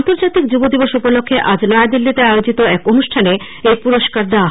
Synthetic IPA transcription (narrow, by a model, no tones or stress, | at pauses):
nt̪oɾd͡ʑat̪ik̚d͡ʑubod̪iboʃupolokʰːeʔad͡ʑlɔad̪ilːit̪eaeod͡ʑit̪oɛkonuʃʈʰane | ejpuɾoʃkaɾd̪a